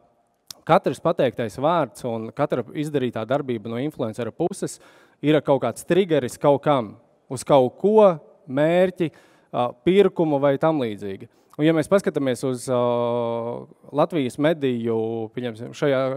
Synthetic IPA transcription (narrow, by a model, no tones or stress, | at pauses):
kat̪ɾspat̪ɛjk̚t̪ajsʋaːɾt̪sunkat̪ɾaizd̪ɐɾiːt̪aːd̪aɾbiːbɐnuɔinflˠuɛnsɛɾpusɛs | iɾakawkaːt̪st̪ɾiɡɛɾiskawkam | uskawkuɔ | meːɾcʲi | piɾkumuvajt̪amlˠiːd̪ziːɡʲi | unjameːspaskat̪amiɛsuz | lˠat̪ʋijəsmed̪ijupʲiɛɲɛmsimʃajaː